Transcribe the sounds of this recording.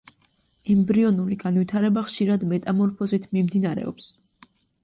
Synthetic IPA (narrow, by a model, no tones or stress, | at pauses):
ɛmbɾiɔnuliɡanvit̪ʰaɾɛbaχʃiɾad̪mɛt̪ʼamɔɾpʰɔzit̪ʰmimd̪inaɾɛ̰ɔ̰ps